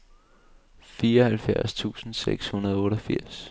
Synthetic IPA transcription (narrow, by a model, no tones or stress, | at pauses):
fiːɐhælfjæɐst͡sʰṵːsn̩sḛɡ̥shunɐð̞ˠɔ̽ːɾɒfiɐ̰s